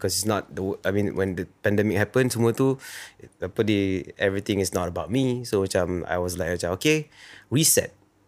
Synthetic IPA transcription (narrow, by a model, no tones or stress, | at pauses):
bikɔsitsnɔt̚dəwəajmĩnwʔɛ̰̃ndəpɛ̃ndɛmɪk̚hɛpə̃nstumuətu | apəliɛvɹit̪ɪ̃ŋɪsnɔtəbaʊt̚misomat͡ʃãma̰jwɔs̬lajkɔt͡ʃaokeɹisɛ̰t̚